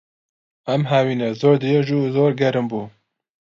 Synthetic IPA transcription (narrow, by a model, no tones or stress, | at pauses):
ɛmɦawiːnɛzoːɾd̪ɨjɛʒuzoːɾɡɛɾɨmbuː